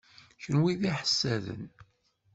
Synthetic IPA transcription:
çənwiðiħə̥sːæðə̰n

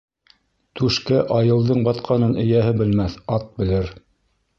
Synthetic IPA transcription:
t̪ʉʃkæʔɑjɤ̆lˠd̪ɤɴbɑt̪qʰɑnɤnɵ̆jæɦɘbɘ̆lmæθɑt̪̚bɘ̆lɘɾ

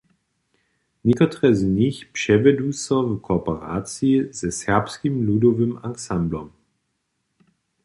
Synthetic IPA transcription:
ɲikɔt̪ʁɛzɲixpʂɛvɛd̪uːsɔvkʰɔpɛɾaːt͡siizɛsɛʁpskimlud̪ɔvɨmaŋksamblɔm

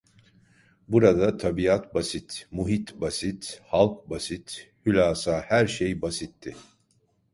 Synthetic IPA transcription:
buɾad̪at̪ʰabiat̪basit̪muɦit̪basit̪halˠkbasit̪hylʲaːsahæɾʃejbasit̪ʰːɪ

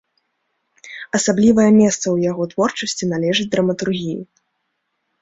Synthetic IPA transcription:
ɐsablʲivɐjɛmʲɛst̪sɐwjaɣɔt̪vɔrt͡ʂɐsʲt͡sʲinalʲɛʐɨd͡zʲd̪ɾɐmɐt̪urɣʲijṵ

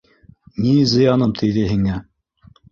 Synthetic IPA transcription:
nizɤ̆jɑnɤmt̪ʰɘ̆jðɘɦiŋæ

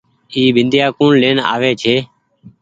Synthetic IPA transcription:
iːbʱɪnd̪jaːkuːɳleːna̰ːʋeːt͡ʃʰeː

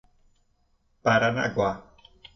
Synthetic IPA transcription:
b̥aɾana̰ɡwa

